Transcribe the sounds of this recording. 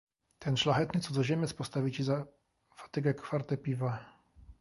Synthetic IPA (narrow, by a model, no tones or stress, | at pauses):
t̪ʰɛnʂlaxɛt̪nɘt̪sɔd̪ɔʑemʲjɛt̪spɔst̪avʲit͡ɕiza | fḁt̪ɘɡɛkfaɾt̪ɛpʲiva